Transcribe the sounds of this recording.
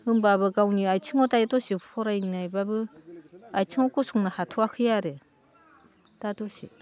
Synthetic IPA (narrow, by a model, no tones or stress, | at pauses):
ɯŋbabɯɡawniajt͡ʃʰiŋɔtajetɔsipʰɔɾajnajbabɯ | ajtʰiŋɔkɔsuŋnahatʰuakʰɯjaɾe | tatɔsḭ